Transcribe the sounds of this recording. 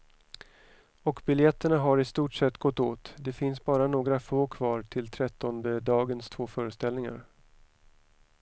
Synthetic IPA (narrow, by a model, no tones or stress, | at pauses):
ɔkbɪljɛt̪ːəɳaɦaɾɪst̪uːʈʂɛt̪ːɡɔt̪ːoːt̪d̪ɛfɪnsbɑːɾanoːɡɾafoːkʰvɑːɾʈʰɪlt̪ʰɾɛt̪ːɔnd̪əd̪ɑːɡənst̪ʰvoːfœːɾəst̪ɛlnɪŋa̰ɾ